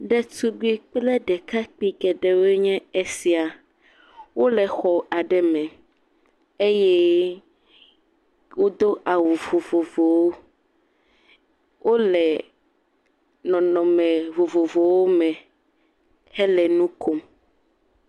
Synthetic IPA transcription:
ɖɛ˦tu˦ɡ͡bi˦k͡plɛ˦ɖɛ˨ka˦k͡pi˦ɡɛ˨ɖɛ˨we˦ɲɛ̃˦e˦si˨a˨ | wo˦lɛ˨xɔ˨a˨ɖɛ˦mɛ̃˨ | e˦jɛ˦ | wo˦d̪o˦ʔa˨wo˨vo˨vo˨vo˨wo˦ | wʔo˦lɛ˨ | nɔ̃˨nɔ̃˨mɛ̃˨vo˨vo˨vo˨wo˦mɛ̃˨ | hɛ˦lɛ˨nũ˦ko˦m

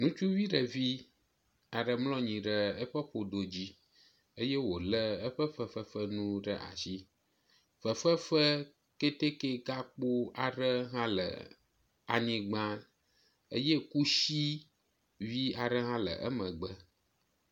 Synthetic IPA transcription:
nũ˦t͡ʃu˦vi˦ɖə˨vi˦ | a˨ɖə˨mlɔ̃˦ɲĩ˨ɖə˦ə˦ɸə˦ɸo˨ɖo˨d͡ʑi˦ | ə˦je˦wo˨lə˦ə˦ɸə˦ɸə˦fə˦ɸə˦nũ˦ɖə̰˦ʔa̰˨ʃi˦ | fə˨fə˦fə˦ | ke˦t̪e˦ke˦ɡa˦k͡po˦a˨ɖə˦ɦã˦lə̰˨ | a˨ɲĩ˨ɡ͡bã˦ | ə̰˦je˦ku˦ʃi˦ | vi˦a˨ɖə˦ɦã˦lə̰˨ʔə̰˦mə̃˨ɡ͡bə˦

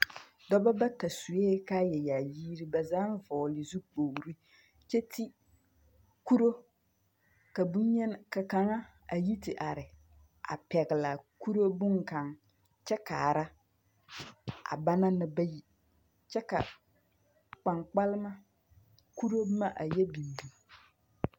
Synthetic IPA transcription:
dɔ˦ba˦ba˦ta˨su˨eː˦ka˦jɛ˨ja˨jiː˦ɾi˦ba˨zaː˦n˦vɔː˨lɪ˨zu˦k͡poː˨ɾi˦ | t͡ʃɛ˦tʰi˦ | ku˦ɾo˦ | ka˨bu˦ɲɛ˦n˨ka˨ka˨ŋa˦ | a˨ji˦tɪ˨ʔa˨ɾɪ˨ | ʔa̰˨pɛ˨ɣɪ˨la˨ku˦ɾo˦bʊ˦ŋka˨ŋ | t͡ʃɛ˦kaː˨ɾa˦ | a̰˨ba˦na˦nɪ˦ba˦ji˦ | t͡ʃɛ˦ka̰˨ | k͡pa˨ŋk͡pa˦lɪ˦ma˦ | ku˦ɾo˦ma˦ʔa˨jɛ˦bi˨m˨bu˨

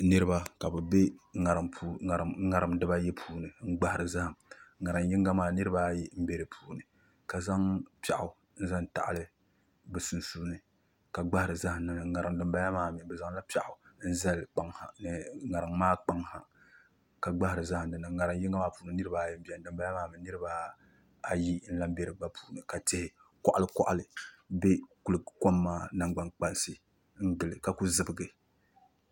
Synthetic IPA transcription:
nɨ˦ɾɨ˦ba˦ka˨bɛ˨be˦ŋa˨ɾɨ˨mpʰu˨˦˨ŋa˨ɾɨ˨˦mdɨ˦ba˦jɛ˦pʰuː˦nɨ˨ŋ͡m̩˦ɡ͡ba˦hɪ˨ɾɨ˨za˦ha˨mŋa˨ɾɨ˨ŋji˦ŋɡa˦maː˦˨nɨ˦ɾɨ˦ba˦ji˦m̩˦be˦ɾɨ˨pʰuː˨˦nɨ˨ | ka˨za˦ŋpa˨ʔʊ˨ | n̩˦za˦n˨ta̰˨ʔlɨ˦ | bɨ˨su˨nsuː˦nɨ˨ | ka˨ɡ͡ba˦hɪ˦˨ɾɨ˨za˦ha˨m̩na˨na˨ŋa˨ɾɨ˨m˦dɨ˨mba˦ja˦maː˦˨mi˨bɛ˨za˦ŋla˦pa˨ʔʊ˨n̩˦za˦lk͡pa˦ŋha˨nɨ˨ŋa˨ɾɨ˨ŋmaː˦k͡pa˨ŋha˨ | ka˨ɡ͡ba˦hɪ˨ɾɨ˨za˦ha˨ndɨ˨nɨ˨ŋa˨ɾɨ˨ŋ˦ji˦ŋa˦maː˦puː˦nɨ˨˦nɨ˦ɾɨ˦ba˨jɛ˦m˦bi˨˦a˨n˨dɨ˨mba˦ja˦maː˦mɛ˨nɨ˦ɾɨ˦ba˦ | a˨ji˦n̩˦la˦mbɛ˦ɾɨ˨ba˦pʰu̥ː˨nɨ˨ka˨te˨hɪ˦ | kɔ˨ʔa˨lɨ˦kɔ˦ʔa˨lɨ˨be˦ku˨lɨ˨ko˦mːaː˦na˨ŋɡ͡ba˨ŋk͡pa˦n˦sɨ˦ | n̩˦dɨ˨lɨ˨ka˨ku˦zɨ˦˨bɨ˦˨ɡɨ˨

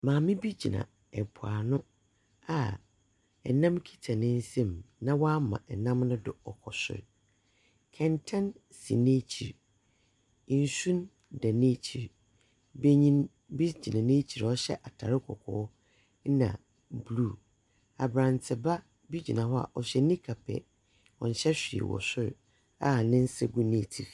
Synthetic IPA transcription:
mãː˨mɪ̃˦bi˦d͡ʑi˨nã̰˨ | ɛ˨pʰʊ˨a˨nʊ̃˦ | a˨ | ɛ˨nã˦mkʰi̥˦tʰa˨nɪ̃˦n̩˦sɛ̃˦mnã˦wa˦mã̰˨ʔɛ˨nã˦mnʊ̃˦dʊ˨ɔ˨kʰɔ˨sɪ̰˦˨ɾ | kʰɛ̃˨ntʰã˦n | sḭ˨nẽ˦t͡ɕʰi˨ɾ | n˨sũ˦n | dɛ˨nẽ˦t͡ɕʰi˨ɾ | be˦ɲĩ˦n | bi˦sd͡ʑi˨nã˨nẽː˦t͡ɕʰi˨ɾɔ˦ɕɛ̰˦ʔa˨tʰa˨ɾɪ˦kʰɔ̰˨kʰɔ̰ː˨˦ | nã̰˨ | bluː˦˨ | a˨bɾã˨ntʰɪ˨ba˦ | bi˦d͡ʑi˨nã˨hɔ˦a̰˨ʔɔ˨ɕᶣɛ˨nĩ˦kʰa˨pʰɛ̰˨ | ɔ̃˨n˨ɕɛ˦ɕᶣi˨ɛ̰˨wɔ̰˨sʊ˦ɾ | a˦˨nɪ̃˦n̩˦sɛ˦ɡu˦nẽ˦tʰi˨ɾ

